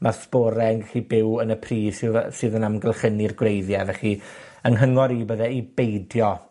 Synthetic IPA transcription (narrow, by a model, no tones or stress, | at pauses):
masboːɾɛənɡɛɬibɪwənəpʰriːssɨːðənamɡəlˠχənirɡwrejðjɛvɛχi | ənɦəŋɔɾiːbəðɛibejdjɔ